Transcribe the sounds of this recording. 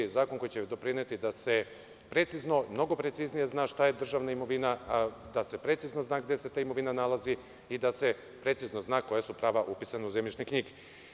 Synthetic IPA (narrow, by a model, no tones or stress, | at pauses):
zaːko̞nko̞jit͡ɕed̪o̞pɾinet̪id̪ase̞ | pɾet̪sizno̞mno̞ɡo̞pɾe̞t̪siznije̞znaːʃt̪ajed̪r̩ʒaʋnaimo̞ʋinad̪ase̞pɾe̞t̪izno̞znaːɡd̪e̞se̞t̪aːimo̞ʋinanalˠazi | id̪ase̞ | pɾe̞t̪sizno̞znaːko̞jesupɾaːʋaʔupisanauzemit͡ʃnekɲiɡe